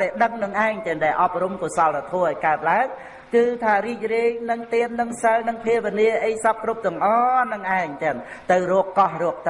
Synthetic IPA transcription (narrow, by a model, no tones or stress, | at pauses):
ɗaɛɗəŋnɨŋʔaɛŋt̪ɛːnɗaɛlʔɑp̚rumkuəsɑlːat̪ʰoəʔaɔjkaət̪̚laəŋ | kɨːt̪ʰaːriːc̚riəjnɨŋt̪iənːɨŋsəlnɨŋpʰiəʋiəniəʔəjsɑp̚krup̚t̪ɨ̆əŋʔɑːnɨŋʔaɛŋt̪ɛənt̪ɨwroəkːɑhrɔək̚t̪ɨ